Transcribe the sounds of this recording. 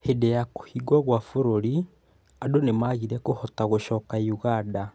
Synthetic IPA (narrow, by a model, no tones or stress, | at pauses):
hedejako̥hiɡwaɣwafoɾoɾi | adonemaɣiɾɛkohɔtaɣoʃɔːkauɣada